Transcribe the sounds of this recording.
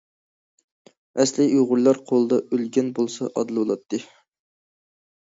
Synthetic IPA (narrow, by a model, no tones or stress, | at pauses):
ɛslɪʔuʁʊɾlˠɑɾqʰolˠɨd̪ɑʔølɡʲɛnbolˠsɑʔɑd̪ɨlˠɨbolˠɑt̪ʰːɨ